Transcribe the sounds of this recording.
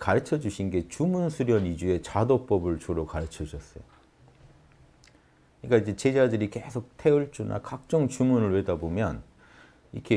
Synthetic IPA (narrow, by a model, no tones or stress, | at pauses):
kaɾɯt͡ɕʰʌd͡ʑuɕʰinɡe̞t͡ɕumunsʰuɾjʌnid͡ʑue̞t͡ɕadop͈ʌbɯɭt͡ɕoɾokaɾɯt͡ɕʰʌd͡ʑʰʌs͈ʌjo | ɲik͈aid͡ʑe̞t͡ɕe̞d͡ʑadɯɾike̞sʰok̚tʰe̞uɭt͡ɕ͈una̰kak̚t͡ɕ͈ʌŋt͡ɕumunɯɭwe̞dabomjʌn | ḭkʰe